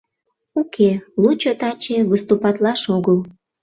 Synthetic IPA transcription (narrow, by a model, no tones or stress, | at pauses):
ukʰelut͡ɕot̪ɑt͡ɕeβəst̪upɑt̪lɑʃoɣəl